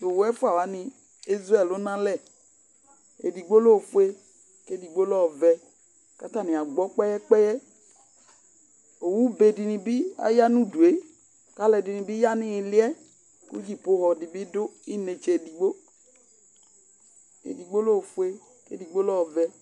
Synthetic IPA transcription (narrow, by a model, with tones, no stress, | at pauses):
o˨wɛ˦fu˦a˨wa˨˦nĩ˨ | i˦zɾɛ˦˨lo˦nã˦lɛ˦˨ | ḛ˨di˨ɡ͡bo˦lo˦˨fu˦e˦ | ke˦di˨ɡ͡bo˦lɔ˦ɔ˨vɛ˨ | ka˦ta˦˨nĩ˨a˨ɡ͡bɔ˦k͡pɛ˦jɛ˦k͡pɛ˦jɛ˦ | o˨wu˦be˨di˨nĩ˨bi˦a̰˦ja˦nũ˦du˨e˦ | ka˦lɛ˨di˨nĩ˨bi˦ja˦nĩ˦˨lɪ˦ɛ˦ | kṵ˦d͡ʒi˦po˦ɣɔ˨di˨bi˦dʊ˦i˦ne˨t͡ʃe˨e˨di˨ɡ͡bo˦ | ḛ˨di˨ɡ͡bo˦lo˦˨fu˦e˦ | kḛ˦di˨ɡ͡bo˦lɔ˦ɔ˨vɛ˨